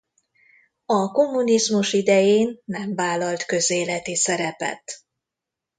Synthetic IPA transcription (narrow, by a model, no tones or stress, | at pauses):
ɒko̞mːunizmuʃid̪ɛjeːnːɛɱvaːlɒlt̪kø̞zeːlɛt̪isɛɾɛpɛ̰t̪